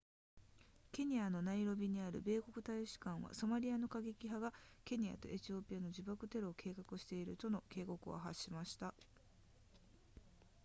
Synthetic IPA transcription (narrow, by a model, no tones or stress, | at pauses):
kʲe̞ɲ̟iano̞naiɾo̞bʲiɲ̟iaɾɯ̟̰be̞ːko̞kɯ̟t̪aiɕi̥kãɰ̃βa̰so̞maɾʲiano̞kaɡe̞kʲiɦaɡake̞ɲ̟ia̰t̪o̞̰ʔe̞t͡ɕio̞ːpʲiano̞ʑd͡ʑibakɯ̟t̪e̞ɾoːkʰe̞ːkakɯ̟ɕi̥t̪e̞iɾɯ̟t̪o̞no̞ke̞ːko̞kɯ̟a̰ɦaɕːimaɕi̥t̪a